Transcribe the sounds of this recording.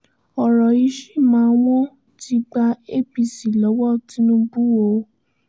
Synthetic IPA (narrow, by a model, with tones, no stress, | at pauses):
ɔ˨ɾɔ˨i˨˦ʃe˦˨mãː˨˦˧w̃ɔ̃˦ | ti˦ɡ͡ba˧e˦˨bi˨si˨lɔ˨˦wɔ˦˨ti˨˦nũ˧˦bu˦o˨˦